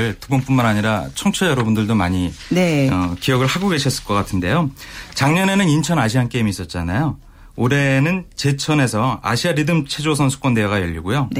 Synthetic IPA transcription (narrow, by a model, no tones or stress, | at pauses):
ɭtubʌnp͈unmanaɲiɾat͡ɕʰʌŋt͡ɕʰʌjʌɾʌbundɯɭdomaɲieʌkijʌɡɯɭhaɡoɡe̞ɕʰʌs͈ɯɭk͈ʌk͈atʰɯnde̞jot͡ɕaŋɲʌne̞nɯnint͡ɕʰʌnaɕʰiɦank͈e̞imiːs͈ʌt̚t͡ɕ͈anajo | oɾe̞nɯnt͡ɕe̞t͡ɕʰʌne̞sʰʌa̰ɕʰiaɾidɯmt͡ɕʰe̞d͡ʑosʰʌnsʰu̥k͈ʌnde̞ɦaɡajʌʎːiɡojo